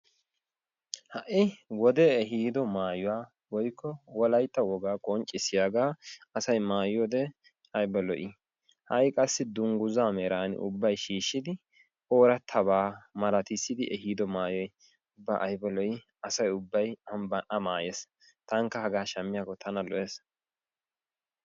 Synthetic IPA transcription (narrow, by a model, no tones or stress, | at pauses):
hɐʔɪwɔd̪ɛɛɦiːd̪ɔmaːjʊwaː | wɔjkʰːɔwɔlɐjt̪ːɐwɔɡaːkʼɔnt͡ʃʼɪsɪjaːɡaːɐsɐjmaːjɔd̪ɛ | ɐjbɐlɔʔɪ | hɐjkʼɐsːɪd̪ʊŋɡʊzaːmɛɾaːnɪ̰ʊ̰bːɐjʃiːʃːɪd̪ɪ | o̞ːɾɐt̪ʰːɐbaːmɐɾɐt̪ɪsːɪd̪ɪʔɛɦiːd̪ɔmaːjɔj | ʊbːaʔɐjbɐlɔj | ɐsɐjʊbːɐjɐmbɐnʔɐmaːjes | t̪ɐŋkːɐhɐɡaːʃɐmːɪjaːkːɔt̪ʰɐnɐlɔʔeːs